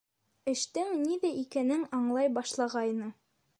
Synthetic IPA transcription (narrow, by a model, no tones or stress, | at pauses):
ɘ̆ʃt̪ɘŋniðæʔikænɘŋɑɴlˠɑjbɑʃlˠɑʁɑjnɤ